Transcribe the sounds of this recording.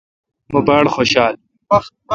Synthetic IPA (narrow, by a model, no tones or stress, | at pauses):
mobaɽxoːɕaːl